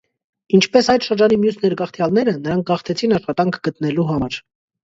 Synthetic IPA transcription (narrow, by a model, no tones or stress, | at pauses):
int͡ʃʰpɛsɑjt̪ʃəɾd͡ʒɑnimjusnɛɾɡɑχt̪ʰjɑlnɛɾənəɾɑŋk̚ʰɡɑχt̪ʰɛt͡sʰinɑʃχɑt̪ɑŋkʰɡ̥ət̪nɛluɦɑmɑɾ